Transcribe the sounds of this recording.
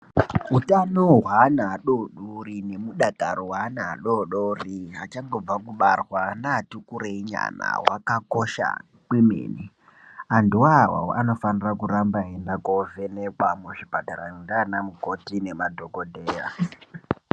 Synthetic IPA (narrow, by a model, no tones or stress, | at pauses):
utanoɦwanaɗoɗurine̞muɗataɾowanaɗoɗoriɦat͡ʃaŋɡo̞b͡vakuɓarwanatukuɾeiɲa̰na̰wakakoʃa̰ | kimḛːni | anduwawa̰oano̞fanirakurambaendakovenekwamuʐipataɾaindanamuko̞tine̞madʱoɡodʱeːra̰